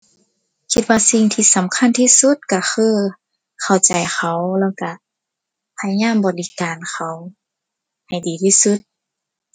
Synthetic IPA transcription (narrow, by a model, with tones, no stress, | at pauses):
kʰi˧t̪̚waː˧si˧ŋt̪ʰiː˧˨sa˨˦mkʰa˧˥˨nt̪ʰiː˧su˧t̪̚ka˧˩xʰɯː˧˥˩ | kʰa˨˩wt͡ɕa˨˩jxʰa˧˦wlɛː˧˥˨wka˧˩ | pʰa˧ja˧ɲaː˧˥˨mbɔː˨˩li˧˦kaː˨nkʰa˧˩w | ha˨˩jdiː˨˩t̪ʰiː˧˥˨su˧˦t̪̚